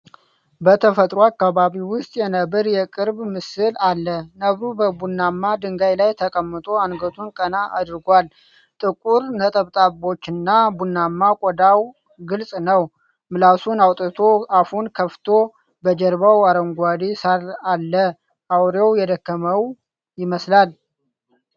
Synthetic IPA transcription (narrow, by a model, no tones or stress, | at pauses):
bət̪ʰəfət̪ʼɾoakːaβaβiwʊst̪ʼjɛnəβɨɾjɛkʼɨɾbmɨsɨlalːənəβɾubəbunːamːad̪ɨŋɡajlajt̪ʰəkʼəmːɨt̪ʼo̞anɡət̪ʰunkʼənaʔad̪ɾɨɡʷal | t̪ʼɨkʼuɾnət̪ʼəβt̪ʼabo̞t͡ʃːɨnːabunːamːakʼɔd̪aw | ɡɨlsʼnəw | mɨlasunawt̪ʼɨt̪ʰo̞afunkʰəft̪ʰo | bəd͡ʒɛɾbawaɾəŋɡʷad̪isaralːə | ʔawɾjɛwjɛd̪əkːəməw | jɪməslal